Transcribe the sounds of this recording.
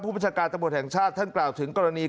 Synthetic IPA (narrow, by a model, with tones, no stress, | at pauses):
pʰuː˥˩baː˧˩n˩t͡ɕʰaː˧kaː˧nt̪a˧mːu˨˩ət̪̚hɛ˨˩ŋt͡ɕʰaː˥˩t̪ʰːa˥˩nklaː˨˩wt̪ʰɯ˩˦ŋkɔː˧ɾa˧niː˧